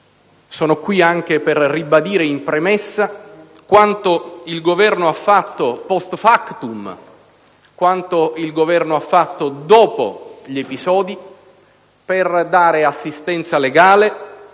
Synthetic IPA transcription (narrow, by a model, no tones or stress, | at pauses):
sɔːnokwiaŋk̟eperrːibad̪iːɾeimpɾemɛsːa | kwant̪oilɡovɛrnoafːat̪ːopɔst̪fakt̪um | kwant̪oilɡovɛrnoafːat̪ːod̪ɔːpo̰ʎepisɔːd̪i | perd̪aːɾeasːist̪ɛnt̪saleɡaːle